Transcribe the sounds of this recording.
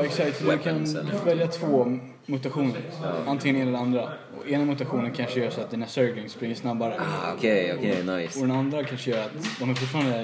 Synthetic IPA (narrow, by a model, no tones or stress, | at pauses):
ɛksak̚t̪fɔdd̪kʰanvɛljat̪ʰv̥oː | mɵt̪aɧuːnəɾant̪ʰɪŋənɛːnd̪ɛnand̪ɾa | ɔ̰eːnamʊt̪aɧuːnənkʰanʂəjœːɾʂɔat̪d̪iːnasœɾɡlɪŋspɾɪŋːəʂnabːaɾəkʰeɔenajɔd̪ɛnand̪ɾakʰanʂəjœːɾat̪d̪ɔmhaɾfʊʈfɑːɾand̪ə